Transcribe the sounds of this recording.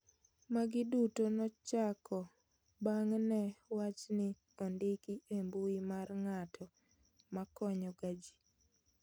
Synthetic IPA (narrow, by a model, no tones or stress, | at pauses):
maɡɪdutonɔt͡ʃakʰɔ | baŋnɛwat͡ʃnɪ | ɔndɪkiʔembuimarŋatʰɔ | makɔɲɔɡad͡ʒi̥